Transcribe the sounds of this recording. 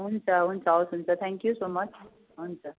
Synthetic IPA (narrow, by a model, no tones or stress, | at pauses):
ɦunt͡sʰʌɦunt͡sʰʌawsɦunt͡sʰʌt̪ʰæ̃ŋkjusoːmʌt͡sʰ | ɦunt͡sʰʌ